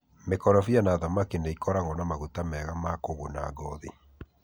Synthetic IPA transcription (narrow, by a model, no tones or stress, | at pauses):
mekɔɾɔfianaðamakineikɔɾaŋɡɔnamaɣutamɛɣamakoɣona̰ɡɔði